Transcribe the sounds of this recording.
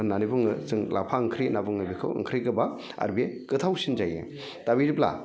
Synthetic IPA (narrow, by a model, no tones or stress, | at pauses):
nanibɯŋɯsɯŋlʔapʰaɯŋkʰɾinabɯŋɯbikʰɯ̰wɯ̰ŋkʰɾikɯba | a̰ɾbekɯt̪ʰawsind͡ʒajɯ̰ | tabiɾipla̰